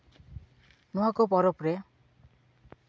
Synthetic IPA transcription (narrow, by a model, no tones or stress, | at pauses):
nuɦakopɔɾopɾe